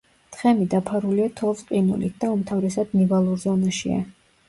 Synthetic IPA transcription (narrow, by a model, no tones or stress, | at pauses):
t̪χɛmid̪apʰaɾuliat̪ʰɔlˠsʼqʼinṵlḭt̪̚d̪̥aumt̪ʰavɾɛsad̪nivalˠuɾzɔnaʃḭa̰